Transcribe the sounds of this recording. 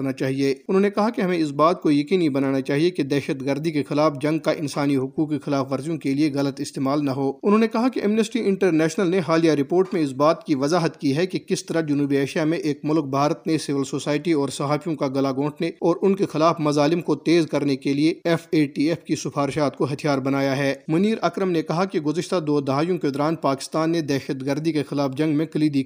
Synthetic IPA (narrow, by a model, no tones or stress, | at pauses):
ɾnat͡ʃaːɦieːʊnɦõːnekɐɦakeɦɐmẽɪs̬baːt̪̚kojɐkiːnibɐnaːnat͡ʃaːɦieked̪ɛːʃəd̪ɡɐɾd̪ʱikexɪlaːfd͡ʒɐ̃ŋɡkaʔɪ̃nsaːniɦʊkuːkːexɪlaːfʋɐɾzijõkelieɣɐlət̪ɪst̪eːmaːlnɐɦoːʊnɦõːnekɐɦakeʔɛmnəsʈiɪ̃ɳʈəɾnɛːʃnəlneɦaːlijaɾɪpoːɾʈmẽɪs̬baːt̪kiʋɐzaːɦət̪kiɦɛkekɪst̪ɐɾad͡ʒɐnuːbieːʃijamẽʔeːkmʊlk̚bʱaːɾət̪nesɪʋəlsoːsaːɪʈiɔːɾsɐɦaːfʰijõkaɡɐlaɡõːʈʰneɔːɾʊnkexɪlaːfmɐzaːlɪmkot̪eːzkɐɾnekelieɛfeːʈiɛːfkisʊfʰaːɾɪʃaːt̪koɦɐt̪ʰijaːɾbɐnaːjaɦɛːmʊniːɾɐkɾəmnekɐɦakeɡʊzəʃt̪ad̪oːd̪ɐɦaːjõked̪ɔɾaːnpaːkɪ̥st̪aːnːed̪ɛːʃəd̪ɡəɾd̪ikexɪlaːfd͡ʒɐ̃ŋɡmẽkɐliːd̪i